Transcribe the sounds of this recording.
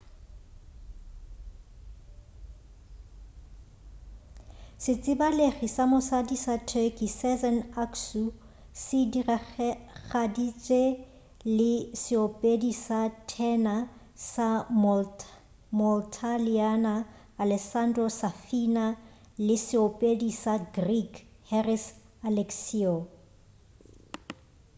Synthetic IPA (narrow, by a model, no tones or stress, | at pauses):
sɪt͡sʼɪbaleχisamʊsadisatʰɛkʼisɛzɛnaksu | sɪdir | χadit͡ʃʼe | lɪsɪopʼedisatʰɛna | sa | mɔltʰalianaː | lɛsandrɔsafina | lɪsɪopʼedisaɡrikʰ | hɛris | alɛksiɔ